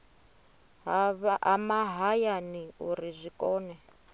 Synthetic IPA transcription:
βamaɦajaniuɾizʷikʼɔːnɛ

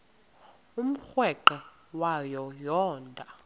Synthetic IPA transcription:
um̩xwɛǃɛ | wajɔjɔːndʱʼa

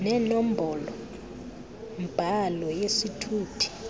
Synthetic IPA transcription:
nɛnom̩bʱɔlɔ | mb̥ʱalɔjesitʰuːtʰi̥

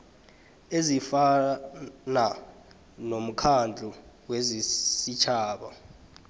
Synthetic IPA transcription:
ezifa | na | nom̩kʰand͡ɮʱu | wezisit͡ʃʰaːɓa

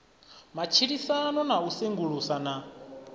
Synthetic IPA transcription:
mat͡ʃʰiɺisanɔnauseŋɡuɺusana

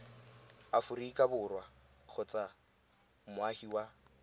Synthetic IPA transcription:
afʊrikʼabʊrwak͡xʰʊt͡sʼa | mʊahiwa

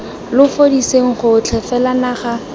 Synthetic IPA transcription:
lʊfodiseŋ̩χʊt͡ɬʰɛfɛlanaχa

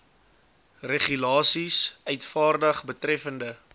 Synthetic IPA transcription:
reχylɑːsisœɥtfɑːrdəχbətrɛfəndə

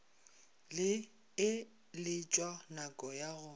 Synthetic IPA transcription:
lɪ | ɪ | lɪt͡ʃʼwanakʼɔjaɣʊ

